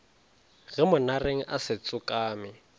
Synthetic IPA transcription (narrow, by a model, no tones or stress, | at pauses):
ɣɪmʊnareŋ̩ʔasɪt͡sʼʊkʼaːmɪ